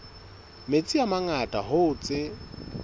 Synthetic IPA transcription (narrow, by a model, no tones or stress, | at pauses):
met͡sʼiamaŋatʼa̰hʊʊt͡sʼɪ